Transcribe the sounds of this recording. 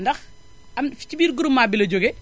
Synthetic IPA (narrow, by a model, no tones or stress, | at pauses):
ndɐx | ɐmfi̥cibiːɾɡuɾumːaːbilɐɟoɡɛ